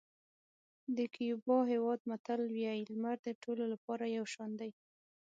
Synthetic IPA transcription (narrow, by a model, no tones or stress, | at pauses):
d̪əkijubɑɦewɑd̪̚mat̪alwjaɪlmaɾd̪əʈololapɑɾajawʃɑnd̪aj